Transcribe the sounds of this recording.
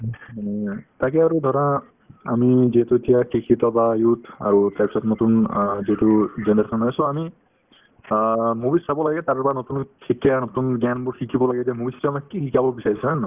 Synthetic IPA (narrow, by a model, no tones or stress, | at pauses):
takɛaɹudʱɔɾa | a̰miziɦɛtuetijakikʰitɔbajutʰa̰ɹutaɹpisɔtnotunziɦɛtuzɛndaɾsʰɔnajsoami | mubisabɔlaɡɛtaɾɹpanotunkʰikanotunɡanbʊɹkʰikʰibɔlaɡɛdɛmubistɔamakikʰikabɔbisaɹisan